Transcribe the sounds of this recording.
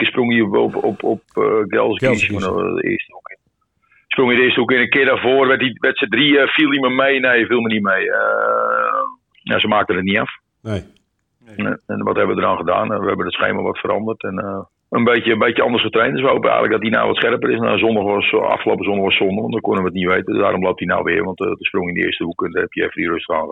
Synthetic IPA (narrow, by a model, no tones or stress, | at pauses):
sproŋiəpɔ̰pɔp̚ɡɛ̰lˠskisuənə̰ɪ̰əstuk | sproŋədɪːəstəukɪːnəkɪədavoərʋɛtiʋɛtsədriəfiəlˠdiməmejnejfilˠmənimejə | na̰səmaːk̚tənətniaf | ɛnʋɔthɛbəʋədəɾaːnχəda̰ːnʋəhɛbəndətsxḛːmə̰ʋɔtfəɾɑ̰ndərtɛn | ənbeːjəmbejtjəɔndərsχətrejntdəs̬ʋəhowpəɛ̰jɣənlək̚dɔtina̰ːʋɔ̰tsxɛrpəɾɪsnazɔndaxʋɔsɑ̰fχəloːpəzɔndaxʋɔsondəʋɔ̰ntdɔkonəʋətniʋejtəda̰ːɾɔmlowp̚tina̰wʋɪ̰ərʋɑntdəsproŋɪndəɪ̰ːstəhukənɛpjəɛfədirøstəaːnə